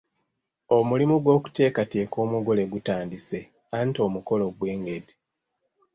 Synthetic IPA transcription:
omulimuɡwo̞ːku̥te̞ːkate̞ːko̞ːmuɡo̞le̞ɡutaːndise̞ | anto̞ːmuko̞lo̞ɡwe̞ːŋɡedi

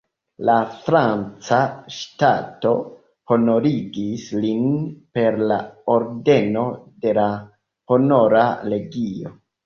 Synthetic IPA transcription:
lafɾant͡saʃtato̞ | ho̞no̞ɾiɡislinpe̞ɾlaoɾde̞no̞de̞la | ho̞no̞ɾale̞ɡio̞̰

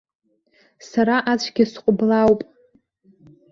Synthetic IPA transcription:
saɾaʔat͡ʃʷʰɡʲɪsqʷʼʊblawpʼ

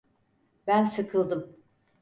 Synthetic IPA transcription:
bænsɯkʰɯlˠd̪ɯm

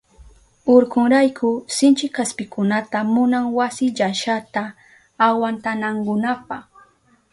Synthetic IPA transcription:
oɾkʊŋɾajkʰʊsɪnt͡ʃɪkaspɪkʊnat̪amʊnaŋwasɪʎaʃat̪aː | want̪anaŋkʊnapɑχ

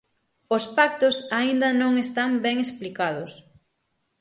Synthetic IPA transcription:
ʊspak̚t̪ʊsaind̪ɐnõŋest̪aŋbɛŋesplikaðʊs

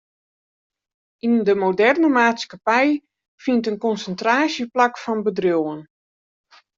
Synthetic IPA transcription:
indəmodɛrnəmaːtskapɛj | fintənkɔnsəntraːsjəplakfɔnbədrjowən

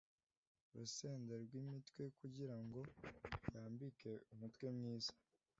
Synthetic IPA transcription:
ɾuseːndeɾɡwimitwe̞kuɟiɾaŋɡo̞jaːmbikʰe̞umutwe̞mŋiːzḁ

